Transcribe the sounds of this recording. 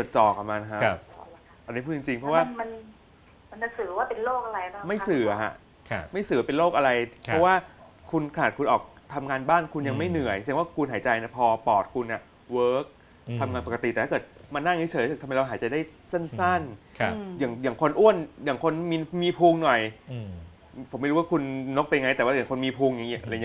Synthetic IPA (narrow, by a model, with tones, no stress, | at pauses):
t͡ɕo˨˩t̪̚t͡ɕɔː˨˩k̚ʔa˨˩maː˧na˧˩kʰa˦˥˧ | ʔa˧nːi˦˥pʰuː˥˩t͡ɕi˧ŋt͡ɕi˧ŋpʰɾɔ˦waː˥˩ma˧n | ma˧na˧˦sɯː˨˩˦waː˥˩pe˧nloː˥˩k̚ʔa˧ɾa˧jbaː˥˨ma˥˩jsɯː˨˩a˩kʰa̰˧˩ʔ | kʰma˥˩jsɯː˨˦pe˧nloː˥˩k̚ʔa˧ɾa˧jpʰɔ˦˥waː˥˩kʰu˧nkʰa˧naː˨˩kʰu˧nʔɔː˨˩k̚ | t̪ʰa˧mŋaː˧nbaː˥˩nkʰu˧nja˧ŋma˥˩jnɯ˨˩˦əjsʰŋwaː˥˩kʰu˧nhɦaː˩˦t͡ɕa˧jn˧˩pʰɔː˧pɔː˨˩t̪̚kʰu˧nʔa˨˩ | wɤː˦˥k̚ | t̪ʰa˧mŋaː˧npa˨˩ka˧t̪i˨˩tɛː˨˩˥ɤː˨˩t̪̚ma˧nːa˥˩ŋi˦˥t͡ɕʰəː˨˩˦sɯ˨˩t̪ʰmːa˧jɾa˧wɦaː˩˦t͡ɕa˨˩daː˥˩j | se˥˩nsa˥˩nʰjaː˨˩ŋjaː˨˩ŋkʰo˧nʔu˥˩ənjaː˨˩ŋkʰo˧nmiː˧miː˧pʰuː˧ŋnɔ˨˩j | pʰo˩˦ma˥˩jɾu˦˥waː˥˩kʰu˧nːo˦˥k̚pa˧ja˧ŋa˧jt̪ɛː˨˩waː˥˩ja˨˩kʰo˧nmiː˧pʰuː˧ŋja˨˩ŋː˦˥˨ʔla˧˩˧